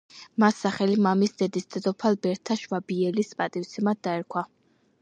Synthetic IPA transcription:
masːaχɛlimamisd̪ɛd̪ist̪ʰʼɛd̪ɔpʰalˠbɛɾt̪ʰaʃvabiɛlispʼat̪ʼift̪sʰɛmad̪̚d̪aɛɾkʰwa

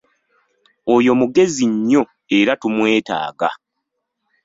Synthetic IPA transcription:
ojo̞muɡe̞ziɲːo̞ | eɾatumwe̞ːta̰ːɡa̰

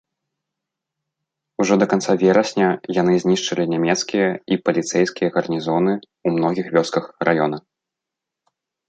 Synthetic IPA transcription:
uʐɔd̪ɐkant̪savʲɛɾɐsʲnʲɐjanɨzʲnʲiʂt͡ʂɐlʲinʲamʲɛt̪skʲijɐipɐlʲit̪sɛjskʲijɐɣɐrnʲizɔnɨ | umn̪ɔɣʲixvʲɔskɐxrʔajɔnɐ

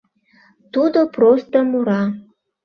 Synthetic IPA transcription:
t̪ud̪oprost̪əmuɾɑ

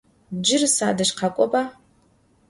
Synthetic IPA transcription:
d͡ʒɪrsadɨʂqʰakʷʼopʼa

